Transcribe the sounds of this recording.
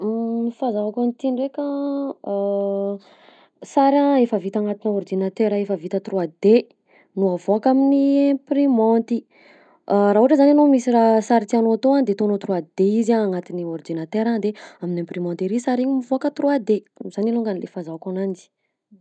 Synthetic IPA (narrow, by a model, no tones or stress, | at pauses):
mifazavakant̪iɳrekʲə | saɾaefəvit̪aŋat̪iniɔrd̪inat̪eɾəefəvit̪ət̪road̪e | nuavoakaminiẽmprimɔ̃nt̪i | raɦuʈ͡ʂəzananomisirasaɾit̪ianot̪oand̪et̪oanot̪ruad̪̥eizaaŋat̪iniɔrd̪inat̪eɾad̪eaminẽmprimɔ̃nt̪eɾisaɾiɲimivoakət̪road̪e | z̥aniluŋɡanilefazavakanand͡ʒi̥